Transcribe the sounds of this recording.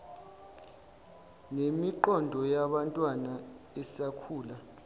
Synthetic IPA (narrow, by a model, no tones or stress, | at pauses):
nemiǃɔndʱɔjaɓantʼwanaɛsakʰuːla